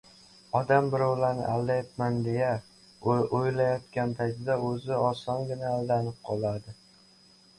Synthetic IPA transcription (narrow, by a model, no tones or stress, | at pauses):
ɒd̪ambɪɾɒwlaɾnɪ̰ʔalːajapmand̪e̞ja | ojlajɒt̪kʲant̪ʰasɪd̪aɵzɪɒsɒnɡʲɪnaːld̪anɪp̚qʰɒlˠad̪ɪ